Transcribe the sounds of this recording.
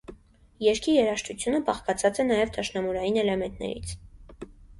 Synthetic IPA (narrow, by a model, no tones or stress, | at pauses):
jɛɾkʰijɛɾɑʃt̪ʰut͡sʰjunəbɑχkɑt͡sʰɑt͡sɛnɑjɛvt̪ʰɑʃnɑmuɾɑjinɛlɛmɛnt̪nɛ̰ɾḭt͡sʰ